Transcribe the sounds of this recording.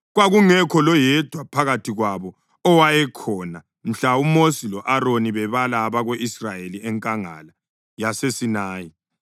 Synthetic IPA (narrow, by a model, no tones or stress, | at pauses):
ɣwaɣuŋɛkʰɔlɔjɛd̥ʱwapʰaɣatʰiɣwaβɔ | ɔwajɛkʰɔna | m̩ɬaumosilɔʔaɾoniβɛβalaːβaɣweʔisrajeliɛŋkʼaŋa̰la | jasesinaːji